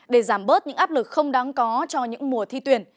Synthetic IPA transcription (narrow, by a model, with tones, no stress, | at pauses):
ɗe˧˩zaː˧˩mɓəː˦˥t̚ɲɨ̰˧˥ŋʔaː˦˥p̚lɨ˨˩k̚xə˧wŋ͡mɗa˨˦ŋkɔ˨˦t͡ɕɔ˧ɲɨ̰˧˥ŋmu˨˩ət̪ʰi˧t̪wi˨˩ən